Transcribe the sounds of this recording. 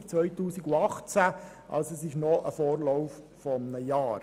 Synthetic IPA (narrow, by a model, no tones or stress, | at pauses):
t͡sʋœjtuːsiɡuɑχt͡sæ | ʔɑ̰lsɛsɪʃnɔʔəfɔːɾlɔwf | fɔmnəjɑːɾ